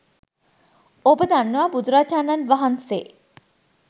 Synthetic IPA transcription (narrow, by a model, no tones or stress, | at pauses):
obəd̪anːəʋaːbud̪uɾaːt͡ʃaːnanʋaɦansḛː